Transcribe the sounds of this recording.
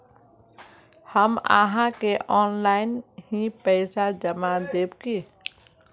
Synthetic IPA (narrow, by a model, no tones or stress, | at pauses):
həma̰ːɦãkeʔɔːnlaːɪnɦĩpɛːsad͡ʒəmad̪eːbkeː